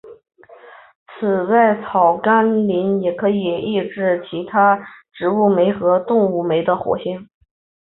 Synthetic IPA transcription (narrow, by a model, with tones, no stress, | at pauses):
t͡sʰɹ̩˨˩t͡sa˥˩ɪt͡sʰɑ˨˩ʊka˥nli˧˥njɛ˨˩kʰɤ˧˥i˨˩i˥˧ʈ͡ʂɻ̩˥˩t͡ɕʰi˧˥t̪ʰa˥ʈ͡ʂɻ̩˧˥u˥˩me˧˥ɪxɤ˧˥t̪ʊ˥˧ŋu˥˩me˧˥ɪd̪ə˧xwɔ̰˧˥ɕjɛ˥˩n